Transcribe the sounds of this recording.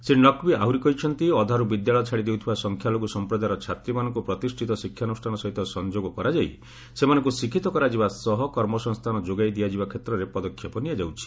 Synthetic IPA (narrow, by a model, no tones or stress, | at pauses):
senɔkbiaɦuɾikɔit͡ʃʰɔnt̪iɔd̪ʱaɾubid̪jaɭɔt͡ʃʰaɽid̪ewt̪ʰibasɔŋkʰjaloɡusɔmpɾɔd̪aɾɔt͡ʃʰat̪ɾimanɔŋkupɾɔt̪isʈʰit̪ɔsikʰːjanusʈʰanɔsɔɦit̪ɔsɔnd͡ʒoɡɔkɔɾad͡ʒaj | semanɔ̃ŋkusikʰit̪ɔkɔɾad͡ʒibasɔɦɔkɔɾmɔsɔŋst̪ʰanɔd͡ʒoɡajd̪iad͡ʒibakʰet̪ɾɔɾepɔd̪ɔkʰːjɔpɔnijad͡ʒawt͡ʃʰi̥